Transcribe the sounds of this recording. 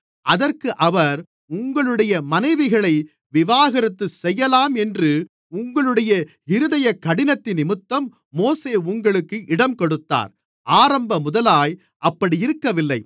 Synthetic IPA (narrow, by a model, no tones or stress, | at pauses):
ʔɐðɐrkɯʔɐʋɐɾ | ʊŋɡɐɭɯɽɐjɐmɐnɐɪʋɪɣɐɭɐɪ | ʋɪʋaːɣɐɾɐt̪ːɯsɛjːɐlaːmɛndrɯ | ʊŋɡɐɭɯɽɐjɐ | ɪɾɯðɐjɐkːɐɽɪnɐt̪ːɪnɪmɯt̪ːɐmː | oːseːʊŋɡɐɭɯkːɯʔɪɽɐmkɔɽɯt̪ːa̰ːɾ | ʔaːɾɐmbɐmʊðɐlaːj | ʔɐpːɐɽiɪɾɯkːɐʋɪlːɐɪ